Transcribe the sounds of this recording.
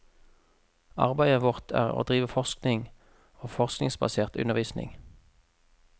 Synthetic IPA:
ɑ̰ʁbæɪəʋʊʁt̪ʰæ̰ːʁo̰ːd̪ʁiːʋəfɔʁsknɪŋ | oːfɔʁsknɪŋsbɑ̰seːʁt̪ʉ̰nəʁʋiːsnɪ̰ŋ

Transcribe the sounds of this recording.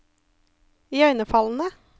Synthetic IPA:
iœʏnəfɑln̩ə

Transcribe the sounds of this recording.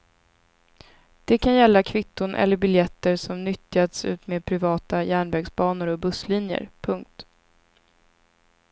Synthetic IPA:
d̪̥ɛkʰanjɛlːakʰvɪt̪ːʊnʔɛ̰lːəɾbɪljɛt̪ːəɾʂɔmnʏt̪ːjat̪sʉ̟̰ːt̪meːd̪̚pʰɾɪvɑːt̪ajæːɳvæɡsbɑːnʊɾɔbɵslinjə̰ɾpʰɵŋk̚t̪

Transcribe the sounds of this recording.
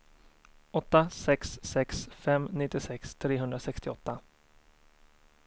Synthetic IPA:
ɔt̪ːasɛksːɛksfɛmnɪt̪ːɪsɛkst̪ʰɾeːɦɵnd̪ɾasɛkst̪ɪɔt̪ːa

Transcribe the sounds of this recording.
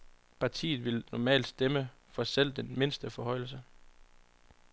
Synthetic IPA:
pʰɑ̈t͡sʰḭːð̞̩ˠʋe̝lnɒmɛ̰ːld̥sd̥eməfɒ̽sel̰d̥enme̝nsd̥əfɒ̽ɦɒ̽ɪ̰l̩s̬ə

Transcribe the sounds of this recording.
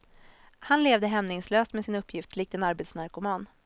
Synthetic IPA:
hanleːvd̪əɦɛmnɪŋsløːst̪mɛsɪnɵpːjɪft̪lɪːk̚t̪ənaɾbeːt̪snaɾkʊmɑːn

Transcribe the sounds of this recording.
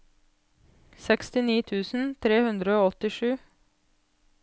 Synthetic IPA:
sɛkst̪ɪniːt̪ʰʉːsn̩t̪ʰɾeːhʉnd̪ɾəoːɔt̪ɪʃʉː

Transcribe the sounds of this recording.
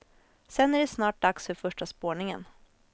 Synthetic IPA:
sɛnæɖɛsnɑːʈ̚d̪aksfœɾfœʂʈaspoːɳɪŋə̰n

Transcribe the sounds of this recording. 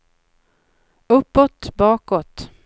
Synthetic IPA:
ɵpːɔt̪bɑːkɔt̪

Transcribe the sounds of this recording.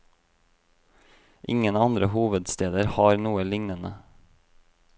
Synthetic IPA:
ʔɪ̰ŋənɑnd̪ɾəhuːʋəd̪st̪eːd̪əɾhɑːɾnuːəlɪŋnənə

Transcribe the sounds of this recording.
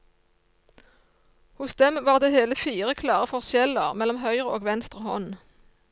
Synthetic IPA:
hʊsd̪ɛmʋɑːʁd̪eːheːləfiːʁəkʰlɑːʁəfɔʁsjɛləʁmɛlɔmɦœʏʁəoːɡʋɛnst̪ʁəhɔn

